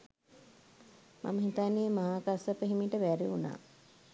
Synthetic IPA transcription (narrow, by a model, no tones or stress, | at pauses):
mʔa̰məɦit̪aːniemaɦaːkasəpəɦimiʈəʋæɾeuna̰ː